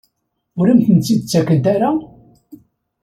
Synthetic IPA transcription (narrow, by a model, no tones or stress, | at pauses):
ʊɾæmθənt͡s̪ːid̪ət͡sːækːənt̪aɾa